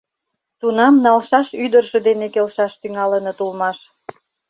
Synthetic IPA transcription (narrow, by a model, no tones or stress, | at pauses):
t̪unɑmnɑlʃɑʃyd̪ərʒĕd̪enekelʃɑʃt̪yŋɑlənɤt̪ulmɑʃ